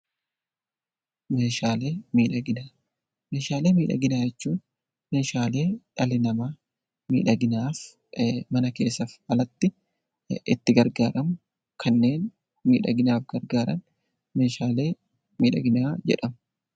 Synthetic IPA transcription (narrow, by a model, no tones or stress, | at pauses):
me̞ːʃaːle̞ːmiːᶑɐɡɪnaː | meːʃaːle̞ːmiːᶑɐ̰ɡɪnaːjɛt͡ʃːuːn | me̞ːʃaːle̞ːᶑɐlɪnɐmaː | mḭːᶑɐɡɪnaːf | mɐnɐke̞̰ːsːɐfɐlɐt̪ːɪ | ɪ̰t̪ːɪɡɐɾɡaːɾɐmʊ | kʰɐnːe̞ːn | miːᶑɐ̰ɡɪnaːfɡɐɾɡaːɾɐ̰n | me̞ːʃaːle̞ː | miːᶑɐɡɪnaːd͡ʒɛ̰ᶑɐmʊ